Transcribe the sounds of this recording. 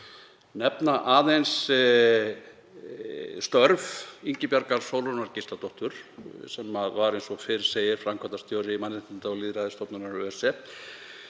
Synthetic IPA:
nɛpnaʔaːðejns | st̪œɾviɲcɪpjaɾkaɾ̥soːwlɔnaɾcɪst̪at̪ɔht̪ʏɾ̥sɛmːaðvaɾejnsɔfɪɾɪ̥seːjɪɾ̥fɾamkʰat̪ast̪joːwɾɪmanːɪt̪ɪnt̪aɔɣliːðɾaðɪst̪ɔpnʏnaɾœːɛsɛ

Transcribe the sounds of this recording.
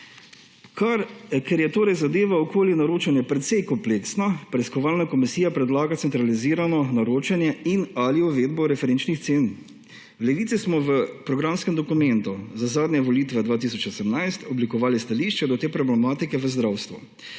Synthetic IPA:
kʰaɾkɛɾjɛt̪oːɾɛjzad̪eːʋaɔkoːlinaɾoːt͡ʃɛnjɛpɾɛt̪sɛjkɔmpleksnɔpɾɛiskɔʋaːlnakɔmisiːjapɾɛd̪laːɡat̪sɛnt̪ɾaliziːɾanɔnaɾoːt͡ʃɛnjɛinaliuʋeːd̪bɔɾɛfɛɾent͡ʃnixseːn | wlɛʋiːt̪sismɔʋəpɾɔɡɾamskɛmd̪ɔkumɛnt̪uzazaːd̪njɛʋɔliːt̪ʋɛd̪ʋaːt̪is̬ɔt͡ʃosɛmnajst̪ɔblikɔʋaːlist̪aliːʃt͡ʃɛd̪ɔt̪eːpɾɔblɛmaːt̪ikɛʋəzd̪ɾawst̪ʋṵ

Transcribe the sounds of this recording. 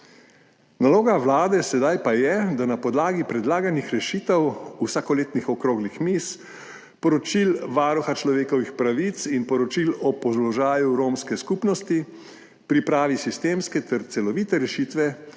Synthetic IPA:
naloːɡaʋlaːd̪ɛsɛd̪ajpajɛd̪anapɔd̪laːɡipɾɛd̪laːɡanixɾɛʃiːt̪ɛwusakɔleːt̪nixɔkɾoːɡlixmis | pɔɾɔt͡ʃilʋaːɾɔxat͡ʃlɔʋeːkɔʋixpɾaʋit̪sinpɔɾɔt͡ʃilɔpɔzlɔʒaːjuɾoːmskɛskupnɔst̪i | pɾipɾaːʋisist̪eːmskɛt̪ɛɾt̪sɛlɔʋiːt̪ɛɾɛʃit̪ʋɛ

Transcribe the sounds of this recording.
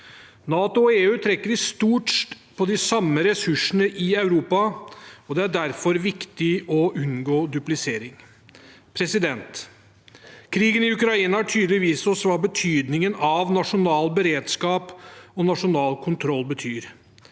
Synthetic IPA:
nɑːt̪ʊɔeːʉːt̪ʰɾɛkːəɾɪst̪uːʈʂt | pʰɔd̪ɪsɑmːəɾɛsʉʂən̩əʔɪɑʉɾuːpɑɔd̪ɛæɖæɾfɔɾʋɪkt̪ɪʔɔʔʉnɡoːd̪ʉplɪseːɾɪŋ | pʰɾɛsɪd̪ɛnt̪ | kʰɾiːɡənɪʉkɾɑiːnəhæʈʰyːd̪əlɪʋiːsɔsʋɑːbət̪ʰyːd̪nɪŋənɑʋnɑʂʊnɑːlbəɾeːd̪skɑːpɔnɑʂʊnɑːlkʰʊnt̪ʰɾɔlːbət̪ʰyːɾ

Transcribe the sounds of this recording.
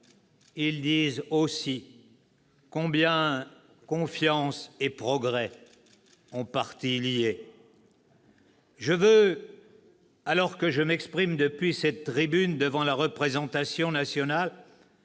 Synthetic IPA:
ild̪izosi | kɔ̃bjɛ̃ | kɔ̃fjɑ̃sepχɔɡʁɛ | ɔ̃paʁt̪ilije | ʒəvø | alɔʁkəʒəmɛkspχimd̪əpɥisɛt̪ːχibynd̪əvɑ̃laʁəpχezɑ̃t̪asjɔ̃nasjɔnal

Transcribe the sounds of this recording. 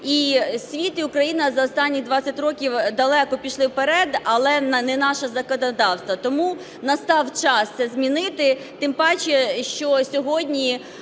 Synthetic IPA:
isʲʋʲit̪iʊkɾɐjinɐzɐɔst̪ɑnʲːixd̪ʋɑt͡sʲɐtʲrɔkʲiwd̪ɐlˠɛkɔpʲiʃlˠɪwpeɾɛd̪ɐlˠɛnnɛnɑʃɐzɐkɔnɐd̪ɑwst̪ʋɐt̪ɔmu | nɐst̪ɑwt͡ʃɑsʲɛzʲmʲinɪt̪ɪt̪ɪmpɑt͡ʃɛʃt͡ʃɔsʲɔɦɔdʲnʲi

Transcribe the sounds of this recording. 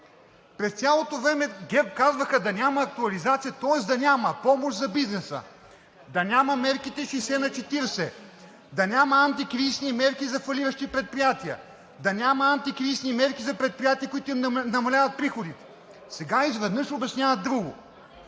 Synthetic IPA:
pɾɛst̪sʲjalˠot̪ovɾɛmɛɡɛp̚kazvɐxɐd̪ɐnʲamɐːk̚t̪uɐlizat̪sijɐt̪ɔɛsd̪ɐnʲamɐpɔmoʃzɐbiznɛsə̰ | d̪ɐnʲamɐmɛɾkit̪ɛʃisɛnɐt͡ʃɛt̪iɾsɛ | d̪ɐnʲamɐant̪ikɾisnimɛɾkizɐfɐlʲiɾɐʃt̪ipɾɛt̪̚pɾijat̪iə̰ | d̪ɐnʲamɐant̪ikɾisnimɛɾkizɐpɾɛt̪̚pɾijat̪iəkʊit̪ʊimnɐmɐlʲavɐt̪̚pɾixod̪it̪ɛ̥ | sɛɡaizvɛd̪nɤʃobʲɐsnʲavɐd̪ɾuɡʊ

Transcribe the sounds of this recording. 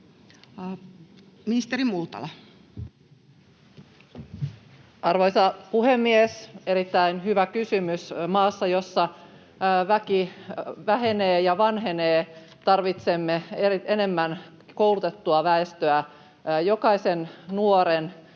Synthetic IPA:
minist̪eɾimult̪ɑ̰lɑ | ʔɑrʋojsɑpuɦemːiese̞ɾit̪ːæinhyʋækysymysmɑːsːɑjo̞sːɑ | ʋækiʋæɦe̞neːjɑʋɑnɦeneː | t̪ɑrʋit̪se̞mːeeiene̞mːæn | kowlut̪et̪ːuɑʋæest̪øæ | jo̞kɑisennuoɾen

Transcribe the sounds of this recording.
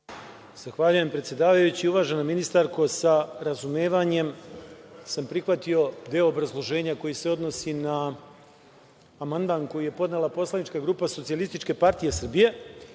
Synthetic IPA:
z̥axʋaʎuje̞mpɾet̪je̞d̪aːʋajut͡ɕiuʋaːʒe̞nominist̪aɾko̞saɾazumeːʋaɲe̞m | sampɾixʋat̪io̞d̪eoːbɾazlˠo̞ʒe̞ːɲako̞jise̞o̞d̪no̞sina | mand̪anko̞jije̞po̞d̪ne̞lˠapo̞slˠanit͡ʃkaɡɾuːpaso̞t̪sialist̪it͡ʃke̞paɾt̪ije̞sr̩bije̞

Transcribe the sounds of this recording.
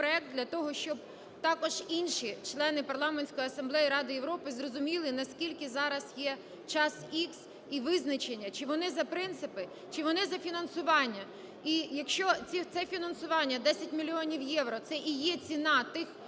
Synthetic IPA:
pɾɔɛk̚d̪d̪ʲlʲɐt̪ɔɦɔʃt͡ʃɔb̚ | t̪ɑkɔʒinʲʃit͡ʃlˠɛnɪpɐrlˠɑmenʲsʲkɔjiɐsɐmblˠɛjiɾɑd̪ɪjeʋwɾɔpɪzrɔzʊmʲilˠɪnɐskʲilʲkɪzɑɾɐsjɛ | t͡ʃɑsiks | iʋɪznɐt͡ʃenʲːɐt͡ʃɪʋɔnɪzɐpɾɪnt̪sɪpɪ | t͡ʃɪʋɔnɪzɐfʲinɐnsʊʋɑnʲːɐ | ijɐkʃt͡ʃɔt͡sʲit̪sɛfʲinɐnsʊʋɑnʲːɐd̪ɛsʲɐtʲmʲilʲiɔnʲiwjɛwɾɔt̪sɛʔijɛt͡sʲinɑt̪ɪx

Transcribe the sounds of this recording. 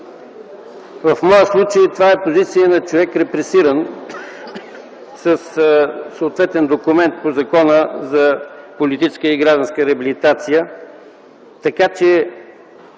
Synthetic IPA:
vɐfmɔjəslˠut͡ʃəjt̪ovaɛpozit̪sijənɐt͡ʃovɛkɾɛpɾɛsiɾən | səssooːt̪vɛt̪ɛnd̪okʊmɛnt̪̚pozɐkɔnəzɐpolit̪it͡ʃɛ̥skəiɡɾaʒd̪ə̃nskəɾɛəbilit̪at̪sijə | t̪ɐkat͡ʃɛ

